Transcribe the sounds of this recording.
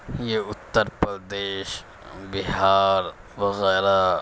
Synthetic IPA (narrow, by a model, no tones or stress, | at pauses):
jeʊt̪ːɐɾpɐld̪eːʃ | bɪɦaːɾ | ʋɐɣɛːɾa